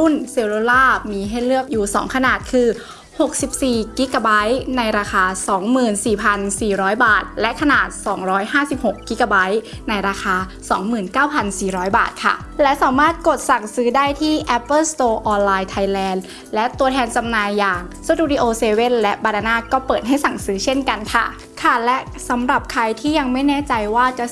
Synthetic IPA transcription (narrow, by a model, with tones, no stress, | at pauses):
u˥˩nseː˧wloː˧laː˥˩miː˧ɦa˥˩jlɯ˥˩əp̚juː˨˩sɔ̰ː˩˦ŋkʰa˧naː˨˩t̪̚kʰɯː˧ | ho˨˩k̚si˨˩p̚siː˨˩ki˦˥ka˧˩ba˦˥jna˧jɾaː˧xaː˧sɔː˩˦ŋmɯː˨˩nsiː˨˩pʰa˧nsiː˨˩ɾɔː˦˥jbaː˨˩t̪̚lɛ˦˥ʔkʰa˧naː˨˩t̪̚sɔː˩˦ŋɾɔː˦˥jhaː˥˩si˨˩p̚ho˨˩kːi˦˥ka˧ba˦˥jna˧jɾaː˧xʰaː˧ | sɔ̰ː˩˦ŋmɯː˨˩nkaː˥˩wpʰa˧nsiː˨˩ɾɔː˦˥jba̰ː˨˩t̪̚kʰa̰˥˩ | lɛ˦˥saː˩˦maː˥˩t̪̚ko˨˩t̪̚sa˨˩ŋsɯː˦˥daː˥˩jt̪ʰiː˥˩ʔɛ˦˥pːɤː˥˩st̪oː˧ʔɔː˧nlaː˧jt̪ʰa˧jlɛː˧n | lɛ˦˥ʔt̪u˧ət̪ʰɛː˧nt͡ɕa˧mnaː˧jːaː˨˩ŋso˧˥t̪uː˧ɾiː˧ʔoː˧seː˧we˥˩nlɛ˦˥ʔbaː˧ɾaː˧naː˥˩kɔː˥˩pɤː˨˩t̪̚ɦa˥˩jsa˨˩ŋsɯː˨˦˥t͡ɕʰe˥˩nka˧nkʰa̰˥˩ | kʰa˥˩lɛ˦˥ʔ | sa˩˦mɾa˨˩p̚kʰa˧jt̪ʰiː˥˩ja˧ŋma˥˩jnɛː˦˥˩t͡ɕa˧jwaː˥˩t͡ɕa˨˩